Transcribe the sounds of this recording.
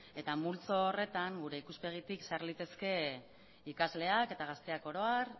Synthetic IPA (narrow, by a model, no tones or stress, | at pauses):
e̞t̪amult͡so̞ːre̞t̪aŋɡuɾe̞ikuspe̞ɣ̞it̪iksaɾlit̪e̞ske̞ | ikazle̞ake̞t̪aɣ̞ast̪e̞ako̞ɾo̞aɾ